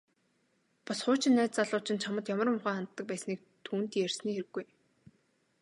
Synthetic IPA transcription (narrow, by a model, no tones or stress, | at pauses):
pɔsχʊːt͡ɕɪ̆nːæːt̪t͡saɮʊːt͡ɕɪ̆nt͡ɕʰamə̆t̪jamə̆r̆mʊχaːχan̥t̪ːə̆k̚pæːsniːk̚t̪ʰuːnt̪jærsniːxeɾɘ̆ɡːuj